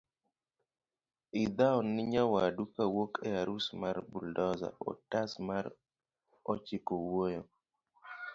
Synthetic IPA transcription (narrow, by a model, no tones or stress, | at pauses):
ɪd̪aɔnːɪɲawadukawokɛaɾusmarbuldɔza̰ɔ̰tasmaɾ | ɔt͡ʃɪkowojɔ